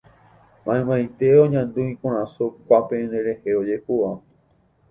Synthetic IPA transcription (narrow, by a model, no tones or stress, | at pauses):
mãẽmãj̃t̪e̞oɲãnd̪ũĩkũɾãsukʷapẽnd̪ẽɾe̞heod͡ʒe̞hua